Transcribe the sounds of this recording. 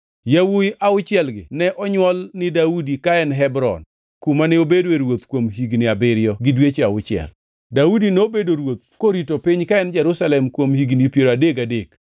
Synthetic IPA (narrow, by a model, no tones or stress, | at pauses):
jawujʔaʊt͡ʃɪɛlɡɪ̰nɛʔɔɲwɔlnɪdaudikaɛnɦɛbɾɔ̰n | kumanɛobedweɾwot̪kwomɦiɡnɪabɪɾjɔɡɪdwet͡ʃeaʊt͡ʃɪɛ̰l | daudinobedoɾwot̪̚koɾitopɪɲkaɛnd͡ʒɛɾusalɛmkwomhiɡnɪpjeɾoadeɡadek